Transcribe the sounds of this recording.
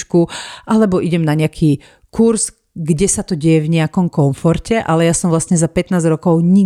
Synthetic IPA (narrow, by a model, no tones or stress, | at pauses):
t͡ʃkuʔalɛbɔʔiɟɛmnaɲɛakʰiː | kuɾz | ɡɟɛsat̪ɔɟɛjɛvɲɛakɔmkɔnfɔɾcɛʔalɛjasɔmvlasɲɛzapɛt̪naːzɾɔkɔʊɲi